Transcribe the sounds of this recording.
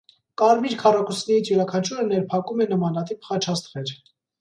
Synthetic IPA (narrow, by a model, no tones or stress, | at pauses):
kɑɾmiɾkʰɑrɑkusʰnɛɾit͡sʰjɛɾɑkʰɑnt͡ʃʰuɾənɛɾpʰɑkumɛnəmɑnɑt̪ipχɑt͡ʃʰɑst̪χɛɾ